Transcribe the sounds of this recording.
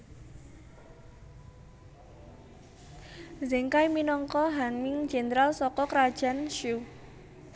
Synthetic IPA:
zɛŋkajminɔŋkɔɦanmɪŋ̥d͡ʒ̥e̤nɾalsɔkɔkɾad̥ʒ̥a̤nʃu

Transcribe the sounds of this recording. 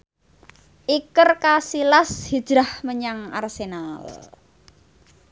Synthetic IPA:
ʔikərkasilashi̥ʒ̥ɾahməɲaŋa̰rsenal

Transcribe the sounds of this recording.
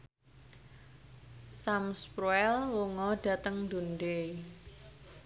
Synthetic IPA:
samspɾuɛlwuŋɔɖ̥ä̤t̪əŋd̪unde

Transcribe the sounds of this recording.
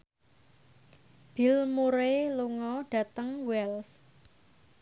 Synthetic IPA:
b̥i̤lmuɾeluŋɔɖ̥ä̤t̪əŋwɛls

